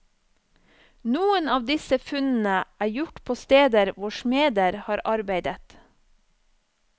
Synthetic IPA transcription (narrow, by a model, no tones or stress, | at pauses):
nuːənɑːʋd̪ɪsəfʉnn̩əʔæːɾjʊʈpʰoːst̪eːd̪əɾʋʊʃmeːd̪əɾhɑːɾʔɑɾbeɪd̪ət̪